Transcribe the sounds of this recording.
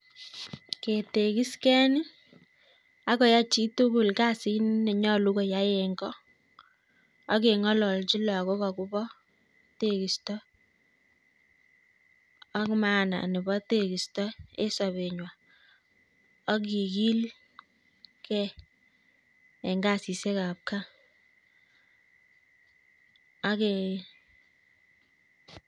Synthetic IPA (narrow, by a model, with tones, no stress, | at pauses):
ke˨te˨ki˦skɛ˦nɪ˦ | a˦kɔ˦ja˦t͡ʃi˦tu˦ku˨lka˦˨si˦nne˨ɲɔ˦lu˦ko˨ja˨˦je˨ŋɡɔ˦ | ɔ˦ke˨ŋɔ˦lɔ˨lt͡ʃi˦lɔ˨ko˦kɔ˨ku˦bɔ˦ | te˦˨ki˨stɔ˦ | a˦kma˦na̰˨nɪ˨bɔ˦te˦ki˨stɔ˦e˦sa˨βe˨ɲwa˨ | a˦k̬i˨ki˦l | kɛ˦ | ɛ˨ŋɡa˦si˨se˦ka˨p̚ka˦ | a˦ke˨